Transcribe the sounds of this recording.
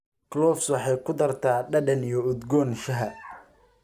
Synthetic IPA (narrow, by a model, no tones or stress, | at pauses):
klɔːfswɑħɑjkʰʊd̪ɐrt̪ʰaːɖɐɖɐnijɔʊd̪ɡɔːnʃɐɦɐ